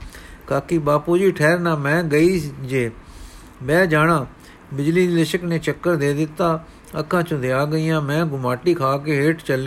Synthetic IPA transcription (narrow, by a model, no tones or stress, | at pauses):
kaːkiːbaːpuːd͡ʒiːʈʰɛːɾnãːmɛ̃ːɡəiːd͡ʒeː | bɛːd͡ʒaːnãː | bɪd͡ʒliːlɪʃəkneːt͡ʃəkːəɾd̪eːd̪ɪt̪ːaː | əkʰːãːt͡ʃõd̪ɪjaːɡəiːãːmɛ̃ːɡʊmaːʈiːkʰaːkeːɦeːʈt͡ʃəle